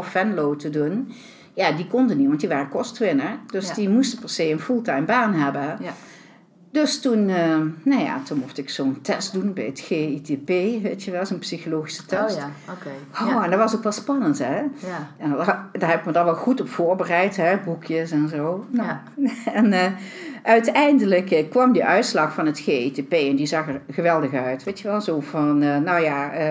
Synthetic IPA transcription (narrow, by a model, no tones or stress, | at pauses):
fɛnlowtədun | jaːdikɔndənitʋɑntdiʋaːrəkɔstʋɪnəɹdøsdimustəpɛɹsejənfulˠtɛjmbaːnɦɛbən | d̥østunənaja̰tunmuxtɪksoːntɛst̚dunbɛ̰jətxeːitepeːʋeːtjəʋɛlˠzonpsixoloːχisə̥tɛstkoɛndɑʋɑsokʋɛtspɑnəntɦɛɛndaːɹɦɛbɪkmədɔɹʋɛlˠχutɔpfoːɹbərɛjtɦɛbukʰjəsɛnzoːno | ɛnəʔœɥtɛjndələkkːʋɑmdiʔœɥtslɑxfɑnətxeːitepeːɛndizɑxəɹɣəʋɛlˠdəxœɥtʋeːtjəʋɛlˠzoːvɑnnawjaːə